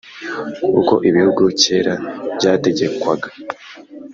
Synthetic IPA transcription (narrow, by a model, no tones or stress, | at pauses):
kṵko̞̰ʔiβihuɡuce̞ːɾabɟaːte̞ɟe̞kwaɡḁ